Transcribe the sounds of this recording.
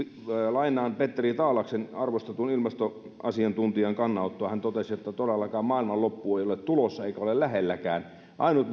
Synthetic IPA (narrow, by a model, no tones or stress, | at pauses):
lɑinˑɑːnpet̪ːerit̪ɑːlɑksenɑrʋost̪ɑt̪uonilmɑst̪o | ɑ̰siɑnt̪unt̪iɑŋkɑnːɑut̪ːoɑhænt̪ot̪esiot̪ːɑt̪odelːɑkɑːmmɑːilmɑllopːueˑijolet̪t̪ulosːɑeikæolellæhelːækæːn | ʔɑinut̪